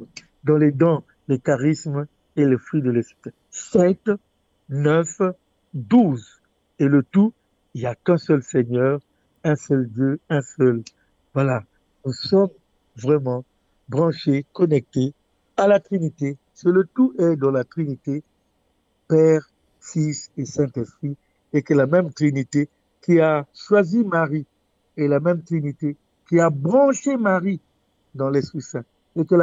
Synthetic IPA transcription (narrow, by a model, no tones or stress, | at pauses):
d̪ɑ̃lɛd̪ɑ̃ | lekaʁism | elefχɥid̪əlɛspi | sɛt̪ | nœf | d̪uz | elət̪u | iljakɛ̃sœlsɛɲœːʁ | ɛ̃sœld̪jøɛ̃sœl | vwala | nusɔm | vʁɛmɑ̃ | bʁɑ̃ʃekɔnɛk̚t̪e | alat̪χinit̪e | sələt̪uʔɛd̪ɑ̃lat̪χinit̪e | pɛːʁ | fisesɛ̃t̪ɛspχi | ekəlamɛmt̪χinit̪e | kiaʃwazimaʁi | elamɛmt̪χinit̪e | kiabʁɑ̃ʃemaʁi | d̪ɑ̃lɛspisɛ̃ | ekəl